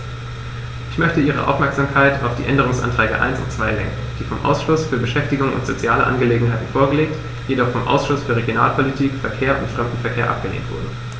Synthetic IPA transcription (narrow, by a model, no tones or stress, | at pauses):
ʔɪçmœçtəʔiːʁ̞ə̰ʔa̰ʊfmɛɐkz̥amkʰaɪta̰ʊfd̥ḭːʔɛndəʁ̞ʊŋsʔa̰ntʁ̥ɛːɡə̰ʔa̰ɪnsʊ̰ntt͡sv̥aɪlɛ̰ŋkŋ̩d̥iːfɔmʔa̰ʊsʃʊsfyːɐbəʃɛftɪɡʊŋʊ̰ntz̥ot͡sjaːləʔa̰nɡəleːɡŋ̩ɦaɪtn̩foːɐɡəleːk̚t | jedɔχfɔmʔa̰ʊsʃʊsfyːɐʁ̞eɡjona̰ːlpʰolitʰiːkfɛɐkʰeːɐʔʊntfʁ̥ɛmdn̩fɛɐkʰeːɐʔa̰p̚ɡ̥əlḛːntv̥ʊ̰ɐdn̩